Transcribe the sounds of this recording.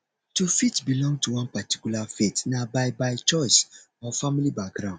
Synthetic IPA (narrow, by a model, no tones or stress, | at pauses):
tufitbilɔ̃ŋɡ̚tuwɔ̃npati̥kulafetnabaɪbaɪt͡ʃɔɪs | ɔfamilibak̚ɡɾãʊ̃nd